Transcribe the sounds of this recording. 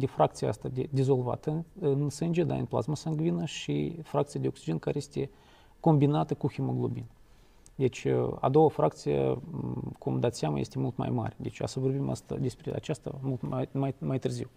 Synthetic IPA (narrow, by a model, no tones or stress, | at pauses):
d̪ʲɪfrak̚t̪sɨja̰st̪əd̪ʲed̪ʲezolˠva̰t̪əɨnsɨnʲd͡ʒɪd̪a̰ɨ̰nʲplˠa̰zməsanɡvʲinəʂɨ̰frakt̪sɨjədʲɪoksʲiʒɛnkaɾʲesʲt̪ʲe | komʲbʲinat̪əkuxʲɪməɡlˠubʲin | d̪ʲet͡ʃa̰d̪ovəfrakt̪sɨjə̰ | komd̪at̪sʲamə̰jesʲt̪ʲmulʲˠt̪ma̰jma̰rʲd̪ʲet͡ʃa̰səbəɾbʲima̰st̪ə̰dʲesʲpʲɾʲed̪a̰t͡ʃast̪ə̰mulˠt̪amamajt̪ɨrzʲiw